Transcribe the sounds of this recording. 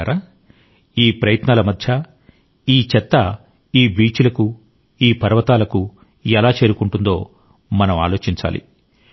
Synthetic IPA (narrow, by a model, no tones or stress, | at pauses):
ɾa | iːpɾɐjɐt̪naːlɐmɐd̪ʱjɐ | iːt͡ʃɛt̪ːɐ | iːbiːt͡ʃulɐku | iːpɐɾʋɐt̪aːlɐku | ɛlaːt͡ʃe̞ːɾukuɳʈund̪o̞ː | mɐnɐma̰ːlo̞ːt͡ʃiɲt͡ʃa̰ːlḭ